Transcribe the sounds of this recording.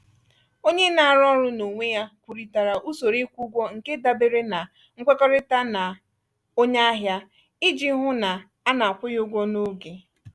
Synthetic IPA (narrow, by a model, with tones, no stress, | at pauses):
o˦ɲe˦na˨a˨ɾɔ˦ɾʊ˦no˨ŋʷe˦ja˦kʷu˨ɾi˨ta˨ɾa˨ʔu˦so˨ɾe˦kʷu˦ɡʷɔ˦ŋ̩˨ke˦da˦be˨ɾe˦na˨ | ŋ̩˦kʷe˦kɔ˦ɾɪ˦ta˦na˨ | o˦ɲa˦a˦ɦja˦ | ɪ˦d͡ʒi˦ɦʊ˦na˨ | a˦na˨a˨kʷʊ˦jʊ˦ɡʷɔ˦no˦ɡe˨